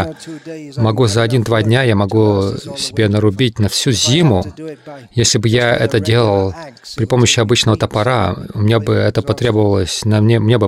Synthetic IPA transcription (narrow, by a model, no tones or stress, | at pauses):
mɐɡuzɐɐdʲind̪vadʲnʲajamɐɡusʲɪ̥bʲe̞nəɾʊbʲit̚ʲnɐfsʲuzʲimʊ | jesʲlʲɪbɨjaɛ̰t̪ədʲe̞lˠəlˠpɾʲɪpo̞məɕːɪɐbɨt͡ɕnəvət̪əpɐɾaʊmʲɪnʲabɨɛt̪əpɐt̪ɾʲe̞bəvəlˠəsʲnɐmnʲeʊmnʲebɨ